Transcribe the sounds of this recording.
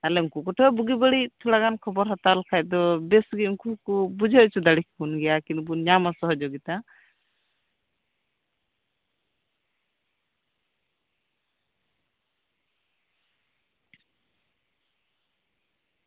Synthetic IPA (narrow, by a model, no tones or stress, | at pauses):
alɛuŋkukɔʈʰɔbuɡibəɽit̪ʰulaɡankʰɔbɔɾɦat̪alkʰaj̚d̪ɔbɛsɡiuŋkukubud͡ʒʱɔt͡ʃʰud̪aɽik̚ʰkunɡɛjakinbuɲamasɔɦɔd͡ʒoɡit̪a